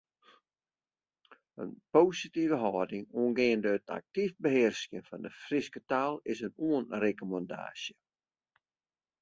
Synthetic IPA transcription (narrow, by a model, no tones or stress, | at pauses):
ə̰npoːsitivəɦɔːdɪŋuənɡeəndəətʰa̰k̚tifbəɦɪrsjənfɔndəfrɪskətalˠɪsənuənrekomɑnda̰ːsjə